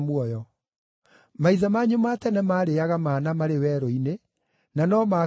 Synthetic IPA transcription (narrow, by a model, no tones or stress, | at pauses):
mwɔjɔ | maiðamaɲomatɛnɛmaːɾeaɣamaːnamaɾewɛːɾɔine | nanɔma